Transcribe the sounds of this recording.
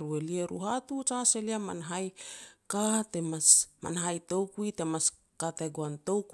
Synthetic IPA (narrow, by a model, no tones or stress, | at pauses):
ɾue̞lieɾṵɦatut͡ʃase̞liama̰naɦajkatemasma̰naɦajto̞wkujte̞mas | kate̞ɡoanto̞wk